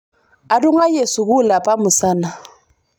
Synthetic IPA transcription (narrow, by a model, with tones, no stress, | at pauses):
a˨dʊ˦ŋa˦je˨sʊ˨ɣʊ˦la˨pʼa˦mʊ˨saː˦na˨